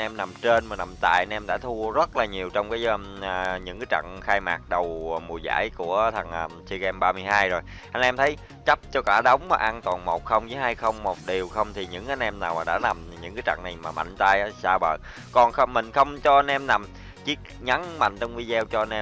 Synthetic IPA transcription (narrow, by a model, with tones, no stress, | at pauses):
nʔɛ˧mna˨˩mt͡ɕe˧nmaː˨˩na˨˩mt̪a̰ː˧˨jʔnʔɛ˧mɗa̰ː˧˥t̪ʰu˧əzə˦˥t̚laː˨˩ɲi˨˩əwt͡ɕɔ˧wŋ͡mkaː˨˦j | ɲɨ̰˧˥ŋkaː˨˦jt͡ɕa̰˧˨ŋxaː˧jmaː˨˩k̚ɗə˨˩wmu˨˩jza̰ː˧˥˨jku˧˩ət̪ʰə˨˩ŋnʔəː˨˩si˧ɣɛ˧mɓaː˧mɨ˧əjɦaː˧jzo˨˩j | ʔa˧jnʔɛ˧mt̪ʰə˨˦j | t͡ɕa˦˥p̚t͡ɕɔ˧kaː˧˩ɗə˨˦wŋ͡mma˨˩ʔaː˧nt̪waː˨˩nmo˨˩t̚xə˧wŋ͡mzɨ˨˦ɦaː˧jxə˧wŋ͡mmo˨˩t̚ɗi˨˩əwxə˧wŋ͡mt̪ʰi˨˩ɲɨ̰˧˥ŋkaː˧˦nʔɛ˧mnaː˨˩wmaː˨˩ɗa̰ː˧˥na˨˩mɲɨ̰˧˥ŋkaː˨˦jt͡ɕa̰˧˨ŋna˨˩jmaː˨˩ma̰˧˨ŋ̟t̪a˧jʔaː˨˦saː˧ɓə̰ː˧˨ | kɔ˨˩nxmï˨˩ŋ̟xə˧wŋ͡mt͡ɕɔ˧ʔa˧nʔɛ˧mna˨˩m | t͡ɕi˦˥ək̚ɲa˨˦ŋma̰˧˨jŋ̟t͡ɕɔ˧wŋ͡mvi˧zɛ˧wt͡ɕɔ˧nʔɛ˧